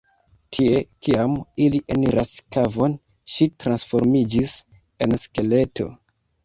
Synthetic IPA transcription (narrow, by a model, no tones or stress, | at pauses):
tʰie̞kiamiliʔeniɾʔaskavo̞n | ʃitɾansfo̞ɾmid͡ʒis | e̞nske̞le̞to̞̰